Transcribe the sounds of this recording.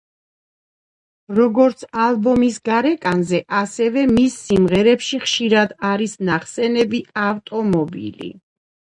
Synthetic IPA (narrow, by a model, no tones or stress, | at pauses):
ɾɔɡɔɾt̪sʰalˠbɔmisɡaɾɛkʼanzɛʔasɛvɛmisːimʁɛɾɛpʃiχʃiɾad̪aɾisnaχsɛnɛbiaft̪ʼɔmɔbḭlḭ